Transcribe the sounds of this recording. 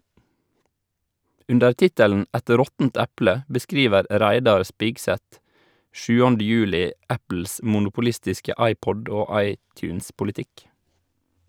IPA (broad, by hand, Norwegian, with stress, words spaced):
ˈʉndəɾ ˈtɪtəln̩ ˈɛt ˈɾɔtənt ˈæplə bəˈskɾiːʋəɾ ˈɾæɪdɑɾ ˈspɪɡsɛt ˈʃʉːɑnd ˈjʉːlɪ ˈæpl̩s mʊnʊpʊˈlɪstɪskə ˈɑɪˌpɔɖ ˈoː ˈɑɪˌtjʉːnspʊlɪˌtɪk